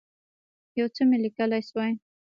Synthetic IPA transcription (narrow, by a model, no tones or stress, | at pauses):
jawt͡səmelikəlajswaj